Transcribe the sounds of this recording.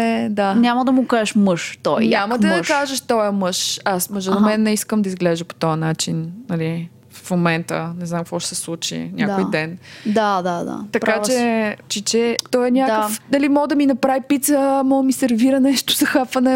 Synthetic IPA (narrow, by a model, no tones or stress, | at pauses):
ɛd̪anʲaməd̪ɐmʊkazɛʃmɤʃt̪ɔjnɲʲamɐɐmʃkaʒəʃt̪ɔjəmɤʃasməʒɛnɐmɛnːɛiskəmd̪ɐizɡlɛʒəpo̥t̪ɔjɐnat͡ʃinnɐli | fmomɛnt̪ə̰nɛznamkvɔʃɛ̥sɛslˠut͡ʃḭnʲʔadkojd̪ɛnd̪ad̪ad̪a̰t̪ɐkpat͡ʃɛt͡ʃit͡ʃɛt̪ɔjɛnʲakəffnɐlimɔɡd̪ɐminɐpɾavipit̪səmɔɡ̪misɛɾviɾɐnɛʃt̪o̥zɐxapvɐnɛ